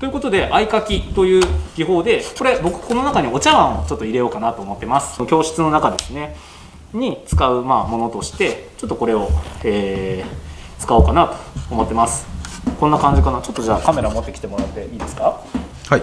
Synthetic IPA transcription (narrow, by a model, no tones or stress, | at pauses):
t̪oiɯ̟ko̞t̪o̞d̪e̞ʔaikakʲit̪o̞jɯ̟ːɡ̥ʲiɦo̞ːd̪e̞ko̞ɾe̞bo̞kɯ̟ko̞no̞nakaɲ̟io̞t͡ɕaβãɰ̃o̞t͡ɕo̞t̪ːo̞iɾe̞jo̞ːkanat̪o̞ːmo̞t̪ːe̞masɨ̥sokʲo̞ːɕɨ̥t͡sɨno̞nakad̪esɨne̞ | ɲ̟it͡sɨ̥kaɯ̟maːmo̞no̞t̪o̞ɕi̥t̪e̞t͡ɕo̞t̪ːoko̞ɾe̞o̞eː | t͡sɨ̥kao̞ːkanat̪o̞̥ːmo̞t̪ːe̞masɨ̥konːakãɲ̟d͡ʑikanat͡ɕo̞t̪ːoʑa̰ːkame̞ɾaomo̞t̪ːe̞kʲi̥t̪emo̞ɾat̪ːe̞iːd̪e̞sɨ̥ka | ha